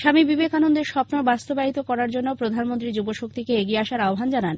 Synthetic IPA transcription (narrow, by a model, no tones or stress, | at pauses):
ʃamibibekanond̪eɾʃɔpnobast̪obaɦit̪okɔɾaɾd͡ʑonːopɾod̪ʱanmont̪ɾid͡ʑuboʃok̚t̪ikeeɡieaʃaɾaobʱand͡ʑanan